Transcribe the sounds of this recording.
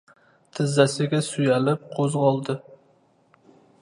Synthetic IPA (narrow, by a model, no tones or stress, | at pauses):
t̪ʰɪzːæsɪɡʲɛsujælɪp̚qʰozʁɑlˠd̪ɨ